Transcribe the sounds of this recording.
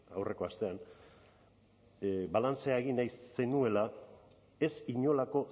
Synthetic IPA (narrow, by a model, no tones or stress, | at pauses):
awre̞ko̞ast̪e̞an | balant͡se̞aeɣinajse̞nue̞la | e̞siɲo̞lako̞